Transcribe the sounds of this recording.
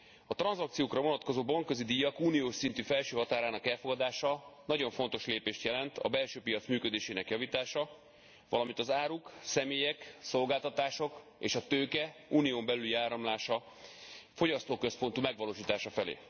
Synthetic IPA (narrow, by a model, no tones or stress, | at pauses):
ɒt̪rɒnzɒk̚t̪sijoːkrɒvo̞nɒt̪ko̞zoːbɒŋkːø̞zid̪ijɒkuːnijoːʃsint̪yfɛlʃøːɦɒt̪aːɾaːnɒkɛlfo̞ɡɒd̪aːʃɒnɒɟo̞ɱfo̞nt̪o̞ʃleːpeːʃt̪jɛlɛnt̪ʰɒ̰bɛlʃøːpijɒt̪smyːkød̪eːʃeːnɛkjɒviːt̪aːʃɒ | vɒlɒmint̪ɒzaːɾuksɛmeːjɛkso̞lɡaːlt̪ɒt̪aːʃo̞k | ḛːʃɒt̪øːkɛuːnijoːmbɛlyliaːɾɒmlaːʃɒ | fo̞ɟɒst̪oːkøspo̞nt̪umɛɡʋɒloːʃiːt̪aːʃɒfɛlḛː